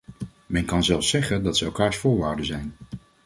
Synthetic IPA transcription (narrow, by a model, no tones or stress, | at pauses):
mɛnkɑnzɛlˠfsɛχəndɑtsəɛlˠkaːɹsfʊːɹʋaːɹdəzɛjn